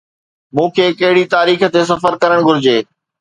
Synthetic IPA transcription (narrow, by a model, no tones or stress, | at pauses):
mũːkʰeːkɐɦɪɽit̪aːɾiːxə̆t̪es̬ɐfəɾkɐɾəɽ̃ɡʱʊɾɪd͡ʑeː